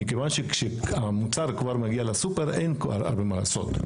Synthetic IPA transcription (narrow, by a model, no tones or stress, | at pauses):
mikevanʃekʃeamut͡saʁkvaʁmaɡialasupeʁejnka̰a̰ɾbemala̰so̞̰t̪